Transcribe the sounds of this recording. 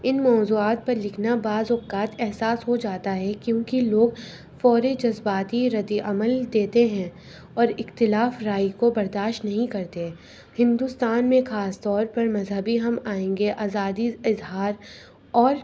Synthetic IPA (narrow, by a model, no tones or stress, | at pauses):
ɪnmɔːzuːaːt̪̚pɐɾlɪkʰnabaːzʊkːaːt̪ɛɦsaːsɦod͡ʒaːt̪aɦɛkjõːkiloːɡ | fɔːɾed͡ʒɐzbaːt̪iɾɐd̪iʔɐməld̪eːt̪eɦɛ̃ | ɔːɾɪxt̪ɪlaːfɾaːjkobɐɾd̪aːʃtnɐɦĩkɐɾt̪eɦɛ̃ | hɪ̃nd̪ust̪aːnmẽxaːst̪ɔːɾpɐɾmɐzɦəbiɦɐmaːẽːŋɡeʔaːzaːd̪iɪzɦaːɾ | ɔːɾ